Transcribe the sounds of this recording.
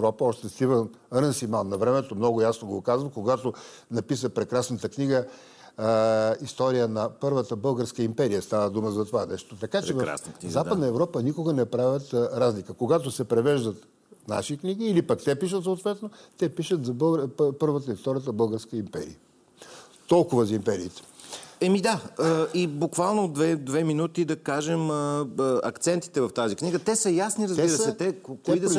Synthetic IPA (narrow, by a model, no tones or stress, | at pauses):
ɛvɾɔpəɔʃt̪ɛst̪ivənɐɾənsimalnɐvɾɛmɛt̪omnɔɡʊjasnoɡokazvɐmkoɡat̪o | nɐpisəpɾɛkɾasnət̪əkniɡə | ist̪ɔɾijənɐpɤɾvət̪əbɤlˠɡəɾskəimpɛɾijəst̪avəd̪uməzɐt̪ovanɛʃt̪ot̪ɐkat͡ʃɛv̰zaəd̪nəɛvɾɔpənikoɡɐnɛpɾavʲjət̪ɾazlikəkoɡat̪osɛpɾɛvɛʒd̪ət̪ | na̰ʃikniɡiːlipɐkt̪ɛpiʃət̪soːt̪vɛt̪not̪ɛpiʃət̪zɐbəɡɾpɤɾvət̪əift̪ɔɾʲət̪əbɤəlˠɡəɾskəimpɛ̰ɾḭə | t̪ɔlˠkʊvɐzɐimpɛɾiːt̪ɛ̥ɛmid̪aibukvalˠnod̪vɛd̪vɛminut̪id̪ɐkaʒɛməɐkt̪sɛnt̪i̥t̪ɛvɐft̪azikniɡət̪ɛsəjasniɾɐziɾəssɛt̪ɛkokoid̪